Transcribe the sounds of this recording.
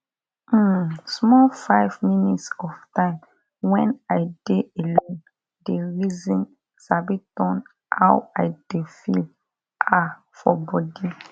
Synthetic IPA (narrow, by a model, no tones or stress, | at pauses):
smɔlfaɪvminitsɔftãɪ̃m | wɛ̃naɪd̥eelɔ̃n | deɹizĩn | sabitɔ̃n | hawaɪd̥efḭl | ʔa | fɔbɔdi